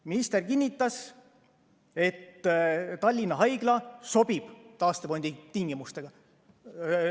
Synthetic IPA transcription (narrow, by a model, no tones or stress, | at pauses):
minist̪erkinːit̪ːˑɑs | e̞t̪ːt̪ɑlʲːinːɑɦɑjɡ̥lɑso̞b̥ib̥t̪ɑːst̪epo̞nʲd̪̥it̪iŋɡ̥imust̪e̞ɡ̥ɑ